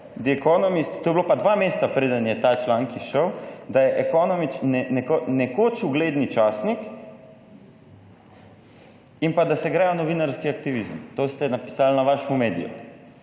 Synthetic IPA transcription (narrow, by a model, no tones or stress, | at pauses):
d̪iɛkɔnɔmist̪t̪oːjɛblopad̪ʋameːst̪sapɾeːd̪ənjɛt̪at͡ʃlaːŋkiʃəwd̪ajɛʔɛkɔnɔmit͡ʃnɛnɛkonɛkot͡ʃuɡleːd̪nit͡ʃaːsnik | impad̪asɛɡɾɛjanɔʋinaɾskiakt̪iʋizmt̪ost̪ɛnapi̥salnaʋaʃmumeːd̪ḭjṵ